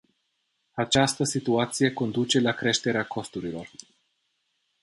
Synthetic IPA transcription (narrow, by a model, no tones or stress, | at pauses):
at͡ʃast̪əsit̪uat̪sije̞ko̞nd̪ut͡ʃe̞lakɾe̞ʃt̪e̞ɾeakʰo̞st̪uɾilo̞r